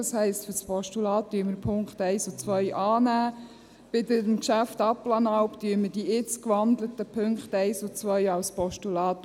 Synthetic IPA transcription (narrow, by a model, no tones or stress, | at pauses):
ɑshɛɪstfʏɾspʰɔʃtulɑːt̚ːyəməɾpʰʊŋkχtɛɪsot͡sʋœʏʔɑːnæː | b̥ɪdəmkʃæftɑplɑnɑʊptyəməd̥iɪt͡skʋɑndlət̪əpʰøŋkχtɛɪsot͡svœʏɑwspɔʃtulɑːt